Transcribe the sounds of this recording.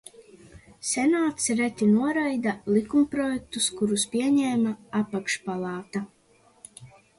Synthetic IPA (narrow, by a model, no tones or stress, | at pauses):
sʲɛnaːt̪sɾɛt̪ʲinuɔɾajd̪alˠikumpɾɔjɛk̚t̪uskuɾuspʲiɛɲɛːmaapakʃpalˠɑːt̪a